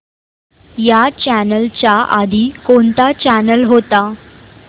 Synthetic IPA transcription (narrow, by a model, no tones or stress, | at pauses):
jat͡ɕænəlt͡ɕaʔad̪ʱiːkoɳt̪at͡ɕænəlɦot̪a